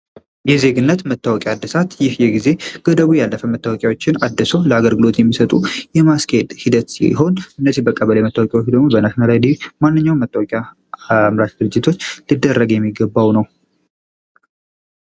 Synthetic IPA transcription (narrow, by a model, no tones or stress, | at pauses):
jɛze̞ɡɨnːət̪mət̪ːawɔkʼjad̪ːɨsat̪jɪhjɛɡize̞ɡ̥əd̪əβujalːəfəmət̪ʰːawɔkʼjawot͡ʃːɪnad̪ːɨsowləaɡəlɡɨlo̞t̪jɛmːisət̪ʼujɛmaskʰəed̪hid̪ət̪ḭɦo̞nɨnːəzihbəkʼəβələjmət̪ːawkʼjawt͡ʃd̪əɡmo̞bənasnəɾajd̪imanːɨɲːawnmət̪ʰʼːawɔkʼja | mɾat̪d̪ɨɾɨd͡ʒːɪt̪ʰo̞t͡ʃːlɨd̪ːərːəɡjɛmːiɡːəbːawnəw